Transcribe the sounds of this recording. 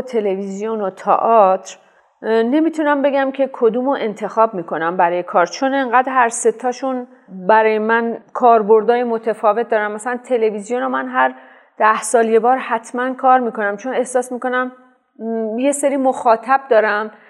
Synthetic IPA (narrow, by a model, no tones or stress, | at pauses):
t̪ʰe̞levizijonot̪ʰɒ̰ʔɒt̪ʰɾ | ne̞miːt̪ʰunæmbe̞ɡæmcʰe̞kʰod̪uːmoʔe̞nt̪ʰe̞xɒːb̚miːkʰo̞næmbæɾɒːje̞kʰɒːɾt͡ʃʰone̞ŋɢæːd̪ɾɦæɾset̪ʰːɒːʃun | bæɾɒːjemænkʰɒːɾbo̞ɾd̪ɒːjemo̞t̪ʰefɒːve̞t̪̚d̪ɒːɾæmːæsælænt̪ʰe̞le̞vizijonomænɦæɾ | d̪̥æhsɒːlje̞bɒːɾhæt̪ʰmænkʰɒːɾmiːko̞næmt͡ʃʰo̞ne̞hsɒːsmiːko̞næm | je̞seɾiːmoxɒːt̪ʰæb̚d̪ɒːɾæm